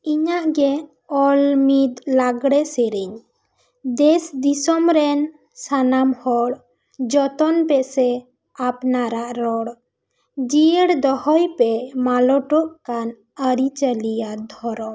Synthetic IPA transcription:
iɲaʔɡɛ | ɔlmid̪laɡɽɛsɛɾiɲ | d̪ɛsd̪isɔmɾɛn | sanamhɔɽ | d͡ʒɔt̪ɔnpɛsɛ | apnaɾaʔɾɔɽ | d͡ʒiəɽd̪ɔhɔjpɛmalɔʈɔʔkan | əɾit͡ʃəlijad̪ʱɔɾɔ

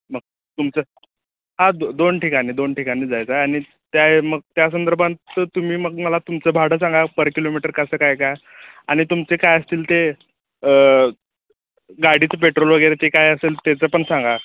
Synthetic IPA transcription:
məɡ̚ | t̪umt͡sə | ɦãd̪d̪onʈʰikaniːd̪onʈikaniːd͡zajt͡saaɽ̃i | t̪jaeməɡ̚t̪jas̬ənd̪əɾbʱãnt̪ːət̪um̤iːməɡməlat̪umt͡səbʱaɽ̤əs̬aŋɡapəɾkilomiʈəɾkəsəːkajkaj | aɽ̃it̪umt͡sekajəst̪iːlt̪e | ə | ɡaɽ̤it͡səpeʈɾolʋəɡəjɾet̪ekajəselt̪et͡səpəɳsaŋɡa

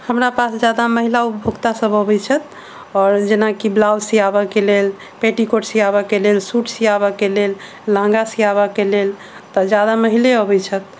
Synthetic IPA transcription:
həmɾapasd͡ʒjad̪aməɦilaupbʱoɡt̪asəbəbɛt͡ʃʰət̪̚ | ɔɾd͡ʒenakiblawsiabɛkelel | peʈikoʈsiabɛkelelsuʈʰsiabɛkelel | lãŋɡasiabɛkelel | t̪əd͡ʒjad̪aməɦileɔbɛt͡ʃʰət̪̚

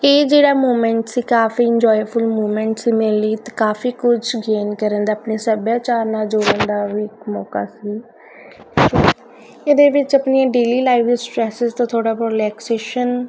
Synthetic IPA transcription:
eːd͡ʒeːɽaːmoːmɛ̃ːɳʈsiːkaːfiːɪɲd͡ʒɔːjpʰʊlmuːmɛ̃ːɳʈsiːmɪliːt̪ːkaːpʰiːkʊt͡ʃʰɡeːnkəɾə̃nd̪aːəpneːsəbjaːt͡ʃaːɾnaːd͡ʒoːɽə̃nd̪aːʋiːɪkmɔːka̰ːsiː | oː | ɪd̪eːʋɪt͡ʃəpnɪːãːɖeːliːlaːɪʋsʈɾɛːsɪzt̪ãːt̪ʰoːɽaːpɾoːlɛːkseːʃən

